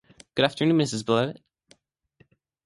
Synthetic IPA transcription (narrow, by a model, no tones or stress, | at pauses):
ɡ̥ʊɾæftə˞nʉ̃nmɪs̬ɨzbɪlˠoʊt̚